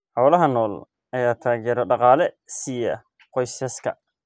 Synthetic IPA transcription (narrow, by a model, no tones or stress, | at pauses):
ħɔːlɐɦɐnɔːl | ʔɐjaːt̪ʰaːɣɛːɾɔɖɑqɑːlɛ | sijɐ | qɔjsɛskʰɐ̰